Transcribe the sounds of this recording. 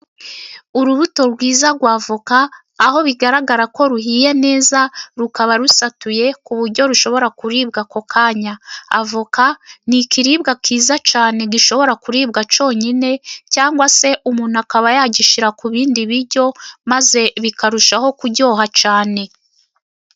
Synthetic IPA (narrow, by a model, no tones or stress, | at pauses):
uɾuβuto̞ɾɡwiːzaɾɡwaːvukaː | ho̞βiɡaɾaɡaɾako̞ɾuɦiːje̞ne̞ːzaɾukaβaɾusatuje̞kuβuɾɟo̞ɾuʃo̞βo̞ɾakuɾiːb̚ɡako̞kʰaːɲaa̰vukanikiɾiːbɡakiːzat͡ʃaːne̞ɡiʃo̞βo̞ɾakuɾiːb̚ɡat͡ʃo̞ːɲine̞caːŋɡwase̞ʔumuːn̥uakaβajaːɟiʃiɾakuβiːndiβiɾɟo̞maze̞βikaɾuʃaho̞kuɟo̞ːɦat͡ʃaːne̞